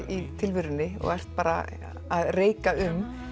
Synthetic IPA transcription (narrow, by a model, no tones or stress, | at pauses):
it̪ʰɪlvʏɾʏnːɪɔ̰ɣɛr̥t̪̚paːɾa̰ | aðreːjkaʏm